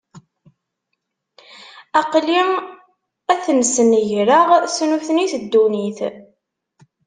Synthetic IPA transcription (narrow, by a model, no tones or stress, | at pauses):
ɑqli | æθənsənəʝɾəʁsnuθniθəd̪ːuniθ